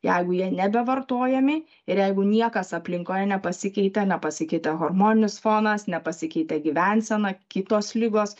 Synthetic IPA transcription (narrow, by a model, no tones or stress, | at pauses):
jɛɪɡʊjiɛnʲɛbʲɛʋɐrt̪oːjɛmʲɪ | ɪɾjɛɪɡʊnʲiɛkɐsɐpʲlʲɪŋkoːjɛnʲɛpɐsʲɪkʲɛɪt̪ʲɛnʲɛpɐsʲɪkʲɛɪt̪ʲɛɣoːrmoːnʲɪnʲɪsfoːnɐsnʲɛpɐsʲɪkʲɛɪt̪ʲɛɡʲɪʋʲɛnʲsʲɛnɐkʲɪt̪oːslʲɪɡoːs